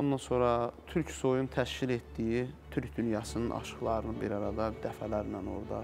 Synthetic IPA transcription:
ond̪ɑnso̞ɾɑt̪ʰyɾcsojunt̪ʰæʃcilet̪d̪ijit̪ʰyɾcd̪ynjɑsɯnɯnʔɑ̰ʃɯ̥χlˠɑɾɯnɯnbiɾɑɾɑd̪ɑd̪æfælæɾnæno̞̰ɾd̪ɑ̰

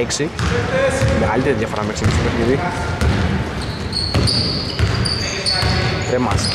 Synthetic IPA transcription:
eksi | meɣalit̪eɾiðjʝɐfoɾɐmeksimisipeɾeði | t̪ɾemas

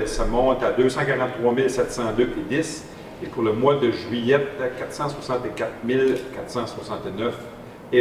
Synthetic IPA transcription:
samɔ̃t̪ad̪øsɑ̃kaʁɑ̃t̪t̪χwamɪlsɛt̪sɑ̃d̪øʔed̪ɪs | epuʁləmwad̪əʒɥijɛtkat̪sɑ̃swasɑ̃t̪ekat̪mɪlkat̪sɑ̃swasɑ̃t̪nœf | e

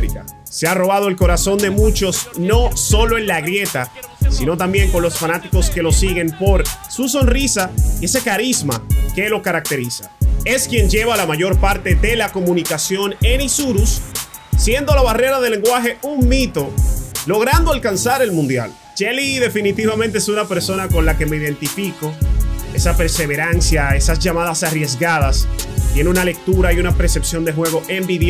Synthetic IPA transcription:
ɾḭka̰ | searo̞β̞að̞oe̞lko̞ɾaso̞nd̪e̞mut͡ʃo̞sno̞so̞lo̞e̞nlaɣɾje̞t̪a | sino̞t̪ambje̞ŋko̞nlo̞sfanat̪iko̞ske̞lo̞siɣe̞mpo̞ɾsus̬o̞nrisaie̞se̞kaɾizma̰ke̞lo̞kaɾak̚t̪e̞ɾisḁ̰e̞skje̞nd͡ʒe̞βalamaʝo̞ɾpaɾt̪e̞ðe̞lako̞mũnikasjo̞ne̞nisuɾusː | je̞nd̪o̞laβare̞ɾaðele̞ŋɡwaxe̞uŋmit̪o̞lo̞ɣ̞ɾand̪oalkansaɾe̞lmũnd̪ja̰l | t͡ʃeliðe̞finit̪iβament̪eesunape̞ɾso̞nako̞nlake̞me̞iðe̞nt̪ifiko̞e̞sape̞ɾse̞βe̞ɾansjae̞sasʝamaðasarje̞zɡaðast̪je̞neunale̞k̚t̪uɾaiunapɾesepsjo̞nd̪e̞xwe̞ɣ̞o̞ʔe̞mbiðe

